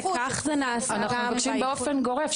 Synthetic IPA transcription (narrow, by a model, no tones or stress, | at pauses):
kaχzenaasanaχmakʃimbeofenɡo̞ʁef